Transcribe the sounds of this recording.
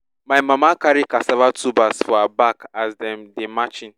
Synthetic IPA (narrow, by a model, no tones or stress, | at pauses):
majmamakaɾikasavatubasfɔabakazdɛmdemat͡ʃɪn